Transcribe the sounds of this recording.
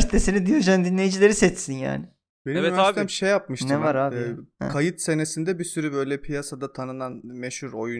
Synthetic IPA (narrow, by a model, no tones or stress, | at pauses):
st̪ʰesinid̪ijod͡ʒand̪inlʲe̞jid͡ʒilʲe̞ɾisɛt͡ʃsinja̰ːnɪ | b̥e̞nimɛmʃejːap̚mɯʃtnʰɯɛvaɾa̰kʰajɯt̪se̞nesind̪ɛbisyɾybø̞jlʲɛpʰijasad̪at̪ʰanɯnanmɛʃhuɾo̞ju